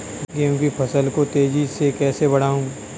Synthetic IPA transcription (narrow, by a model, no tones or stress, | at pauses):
kjõːkipʰɐsəlkot̪eːd͡ʒisekɛːsebɐɽ̤aːũː